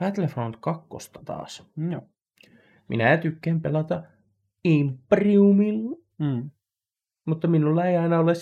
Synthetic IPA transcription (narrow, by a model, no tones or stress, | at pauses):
pæt̪lefront̪kɑkːo̰st̪ɑ̥t̪ɑ̰ːs | mʔḭnæt̪ykːæmpelɑt̪ɑ | impːriumilː | mut̪ːɑminulːɑeiɑinɑoles